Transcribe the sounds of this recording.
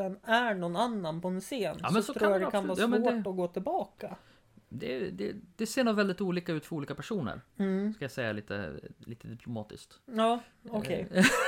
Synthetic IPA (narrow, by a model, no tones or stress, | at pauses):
ɛnæɳɔnanːanpʰɔɛnseːnɑ̰ːsmɛnsɔɾɾuːjad̪ɛkʰanvɑːɾjɑːmɛnɛɔɡoːt̪ʰɪlbɑːka | d̪ɛd̪ɛd̪̥ɛseːɾɳoːvɛld̪ɪt̪uːliːkaʉ̟ːt̪fœɾuːliːkapʰæʂuːnə̰ɾskajasɛjːaliːt̪ʰə̰lḭːt̪əd̪ɪpʰlʊmɑːt̪ɪ̰skt̪ɑːɔkʰɛ̰j